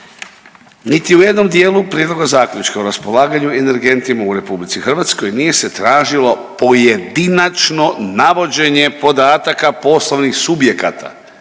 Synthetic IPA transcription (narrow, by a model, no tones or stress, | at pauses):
nit̪iuje̞d̪no̞md̪jeːlupɾjeːd̪lo̞ɡazaːkʎʲut͡ʃkauɾaspo̞lˠaːɡaɲuene̞ɾɡe̞nt̪imauɾe̞publit̪sixr̩ʋat̪sko̞jnije̞se̞t̪ɾaːʒilo̞po̞jed̪inat͡ʃno̞naʋo̞d͡ʑe̞ɲe̞po̞d̪aːt̪akapo̞slˠoʋnixsubje̞kat̪ʰa̰